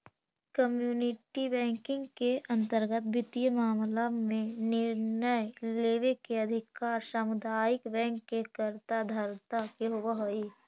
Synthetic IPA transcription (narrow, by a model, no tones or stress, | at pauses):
kəmjuːnɪʈibɛ̃ːŋkɪ̃ŋɡkeʔə̃nt̪əɾɡət̪̚bɪt̪ijəmaːmlamẽnɪɾnəjleːʋekeəd̪ʱɪkaːɾʃəmʊd̪aːjɪkbɛ̃ːŋkːekəɾt̪ad̪ʱəɾt̪akeɦʊwəɦoi